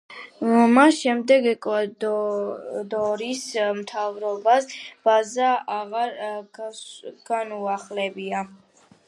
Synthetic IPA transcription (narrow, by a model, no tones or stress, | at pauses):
masʃɛmd̪ɛɡɛkʼad | d̪ɔɾismt̪ʰavɾɔbasb̥azaaʁaɾ | ɡ̥anuaχlɛbia